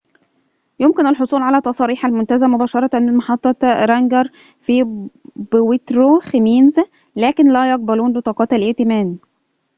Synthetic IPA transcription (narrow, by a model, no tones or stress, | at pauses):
jomkɪnælħosˤuːlʕalæːt̪ːˤɑsˤɑːɾiːħælmont̪æzæmobæːʃɑɾˤɑænmɑħɑt̪ˤːɑɾˤɑŋɡɑɾˤ | fibwet̪ɾoxemiːnzæ | læːkɪnlæːjɑq̚bæluːnbet̪ˤɑːqɑːt̪ælʔeʔt̪emæːn